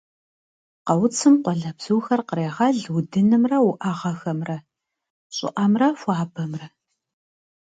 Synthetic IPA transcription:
qɐwt͡sʰɨmqʷɔɮɐbz̥ɨwxɐrqəɾeːʁɐɮwʊdɨnɨmrɐwʊʔaʁɐxɐmrɐ | ɕʼɪ̰ʔɐmrɐfʷɑːbɐmrɐ

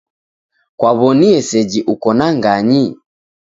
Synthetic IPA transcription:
kwaβɔniɛsɛd͡ʒiʔukɔnaŋɡaɲi

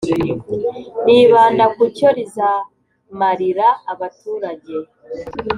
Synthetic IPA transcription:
niβaːndakucoɾiza | maɾiɾaːβatuːɾaɟe̞

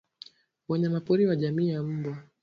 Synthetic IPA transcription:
wɛɲɛmapɔɾiwaʄamiːjam̩bwa

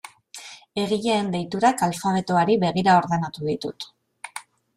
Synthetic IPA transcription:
e̞ɣ̞iʎeːnd̪ejt̪uɾakalfaβ̞e̞t̪oaɾiβe̞ɣ̞iɾao̞ɾðe̞nat̪uðit̪ut̪

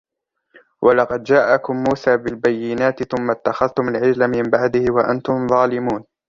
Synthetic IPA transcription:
wʔɑlɑqɑd̪d͡ʒaːʔakʊmːuːsaːbɪlbajːɪnaːt̪ɪθʊmːat̪ːaxaðt̪ʊmalʕɪd͡ʒlamɪmbaʕd̪ɪhwaʔa̰nt̪ʊmðˤɑːlɪmuːn

